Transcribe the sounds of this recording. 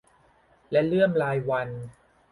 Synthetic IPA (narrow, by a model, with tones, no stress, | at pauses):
lɛ˦˥lɯ˥˩əmɾaː˧jwa˧n